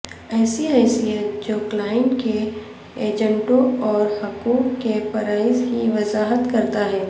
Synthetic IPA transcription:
ɛːsiɦɛːsijət̪̚d͡ʒoːklaːɪɳʈke | eːd͡ʒə̃ɳʈõɔːɾhʊkuːkːepɐɾaːɪzɦiʋɐzaːɦət̪kɐɾt̪aɦɛː

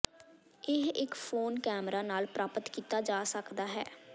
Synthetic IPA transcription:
ɪɦɪkpʰoːnkɛːmɾaːnaːlpɾʔaːpət̪kiːt̪aːd͡ʒaːsəkd̪aːɦɛː

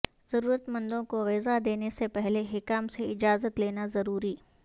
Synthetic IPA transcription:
z̥ɐɾuːɾət̪mɐ̃nd̪õkoɣɪzad̪eːnesepɛɦleɦɪkaːmseɪd͡ʒaːzət̪leːnazɐɾuːɾiː

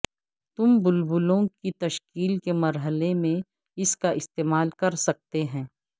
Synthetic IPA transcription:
t̪ʊmbʊlbʊlõkit̪ɐʃkiːlkemɐɾɦəlemẽ | ɪskaʔɪst̪eːmaːlkɐɾsɐk̚t̪eɦɛ̃ː

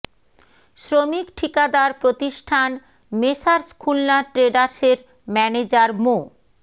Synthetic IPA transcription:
ʃɾomikʈʰikad̪aɾpɾot̪iʃʈʰan | meʃaɾskʰulnaʈɾeɖaɾseɾ | mɛned͡ʑaɾmo

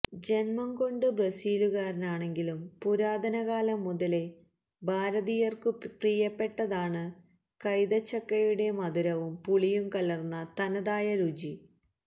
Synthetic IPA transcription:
d͡ʑe̞nmɐŋko̞ɳɖɨbrɐsiːluɣaːɾinaːɳe̞ŋɡilumpuɾaːd̪ɐnɐɣaːlɐmːuðɐle̞ | bʱaːɾɐðijɐrkɨpriːjɐpːe̞ʈːɐðaːɳɨ | kɐjðɐt͡ɕːɐkːɐjuɽe̞mɐd̪uɾɐʋumpuɭijumkɐlɐrnːɐt̪ɐnɐðaːjɐɾud͡ʑi

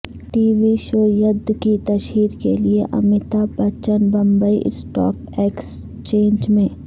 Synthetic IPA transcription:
ʈiːʋiʃoːɾjəd̪ʱkit̪ɐʃiːɾkelieʔɐ̰mɪt̪abɐt͡ʃənbɐ̃mbəḭʔsʈɔ̰ːk | eːks | t͡ʃẽːnd͡ʒmẽː

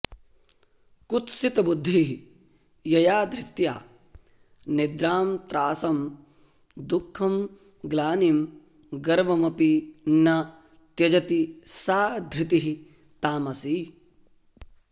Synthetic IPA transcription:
kut̪sit̪ɐbud̪ʱːiɦ | jɐjaːd̪ʱɾit̪ja̰ː | nid̪ɾaːmt̪ɾaːsɐm | d̪ukʰːɐm | ɡlaːnim | ɡɐɾʋɐmɐpinɐ | t̪jɐd͡ʒɐt̪isaːd̪ʱɾit̪iɦi | t̪aːmɐsi

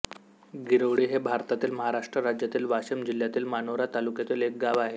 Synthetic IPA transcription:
ɡiɾəʋɽiːɦebʱaɾt̪at̪iːlməɦaɾaʂʈɾəɾad͡ʑjat̪iːlʋaɕəmd͡ʑil̤jat̪iːlmanoʋɾat̪alukjat̪iːlek̚ɡaʋaɦe

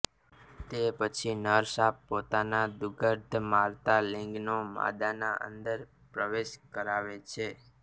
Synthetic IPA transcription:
t̪epət͡ʃʰinəɾsapːot̪anad̪uɡəɾd̪ʱmaɾt̪alĩŋɡnoma̰d̪anaʔə̰nd̪əɾ | pɾəʋeʃkəɾaʋet͡ʃʰe

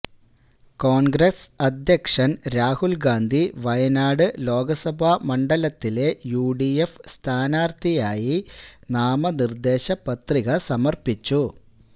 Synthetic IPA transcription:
ko̞ːɳɡɾesɐd̪jɐkʂɐnɾaːhulɡaːnd̪ʱiʋɐjɐnaːɽɨlo̞ːɡɐsɐbʱamɐɳɖɐlɐt̪ːile̞juːɖiefst̪ʰaːnaːrt̪ʰijaːjinaːmɐnird̪e̞ːɕɐpɐt̪riɣɐsɐmɐrpit͡ɕːu

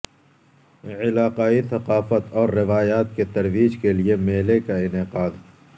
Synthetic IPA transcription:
ɪlaːqaːiθɐqaːfət̪ɔːɾːɪʋaːjaːt̪̚ket̪ɐɾwiːd͡ʒkeliemeːlekaɪnɪqaːd̪

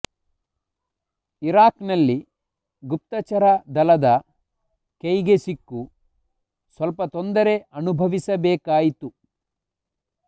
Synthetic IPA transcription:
iɾaːknɐlːi | ɡup̚t̪ɐt͡ʃɐɾɐd̪ɐlɐd̪ɐ | kejɡesikːu | sʋɐlpɐt̪ond̪ɐɾe̞ɐnubʱɐʋisɐbɛːkaːjit̪u

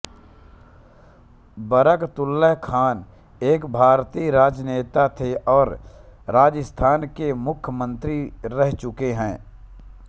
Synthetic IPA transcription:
bəɾəkt̪ʊlːəɦkʰaːn | eːkbʱaːɾt̪iːɾaːd͡ʒneːt̪at̪ʰeʔɔːɾɾaːd͡ʒəst̪ʰaːnkemʊkʰjəmə̃nt̪ɾiɾɛɦt͡ʃʊkeɦɛ̃ː

